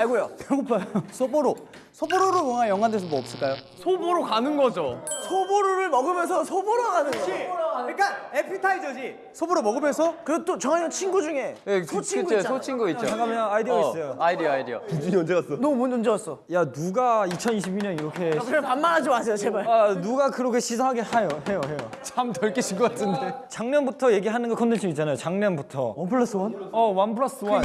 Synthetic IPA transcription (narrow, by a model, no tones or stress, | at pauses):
aɭɡojoeɡopʰaosʰoboɾo | sʰoboɾoɾomʌŋanjʌŋandʰes̬ʰʌboʌp̚s͈ɯɭk͈ajo | sʰoboɾokanɯnɡʌd͡ʑosʰoboɾoɾɯɭmʌɡɯmjʌnsʰʌsʰoboɾokanɯnʌɲik͈aepʰitʰaid͡ʑʌd͡ʑi | sʰoboɾoɭmʌɡɯmjʌnsʰʌkɯɾet͈ot͡ɕʌŋaɲʌnt͡ɕʰinɡud͡ʑuŋe̞jesʰot͡ɕʰiɡsʰot͡ɕʰinɡuioaŋɡameʌaidiʌis͈ʌjoaidiajidiʌ̰id͡ʑuiond͡ʑeɡas͈ʌnomʌnond͡ʑʌɡas͈ʌjanuɡait͡ɕʰʌniɕ̬ʰibiɲʌniɾʌkʰe̞anmanad͡ʑmasʰejot͡ɕemaanuɡakɯɾʌkʰe̞ɕʰisʰʌŋɦaɡehajoɦe̞johe̞jot͡ɕamtʌɭk͈eɕʰik͈ʌkatʰɯndet͡ɕaŋɲʌnbutʰʌje̞ɡiɦanɯnɡʌkʰʌndʰenɕʰʌmitt͡ɕ͈anajot͡ɕaŋɲʌnbutʰʌ̰wʌnpʰɯɭːas͈ɯwanʌwanpʰɯɭas͈ɯwan